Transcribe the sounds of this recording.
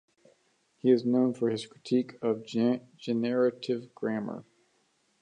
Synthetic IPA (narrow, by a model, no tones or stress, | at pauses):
hiɨznõʊ̃nfə˞ɨz̥kʰɹ̥ɨtʰikʰʌv | d͡ʒɨnɛɹɨɾɪvɡɹæmə̰˞